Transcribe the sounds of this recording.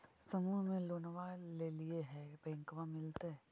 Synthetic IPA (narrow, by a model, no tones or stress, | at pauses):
sɐmuːɦmẽloːnʋalelieɦɛbɛ̃ːŋkʋãmɪlt̪eɦɛ